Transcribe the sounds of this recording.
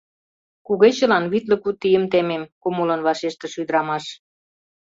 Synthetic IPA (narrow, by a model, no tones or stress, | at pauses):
kuɣet͡ɕə̆lɑnβit̪lə̆kut̪ːijəmt̪ememkumulɤ̆nβɑʃeʃt̪ĕʃyd̪ə̆ɾɑmɑʃ